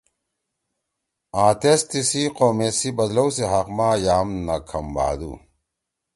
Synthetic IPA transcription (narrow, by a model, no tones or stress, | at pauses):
ãːt̪est̪isiqoːmesibɐd̪lowseɦɐqmaːjaːmnɐkʰɐmba̰ːd̪ṵ